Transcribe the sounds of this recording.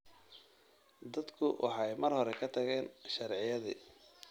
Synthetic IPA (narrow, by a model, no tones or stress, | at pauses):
d̪ɐd̪kʰʊwʔɑ̰ħɑjmɐrhɔɾɛkʰɐt̪ʰɐɣɛːnʃɐrʕɪjɐðḭ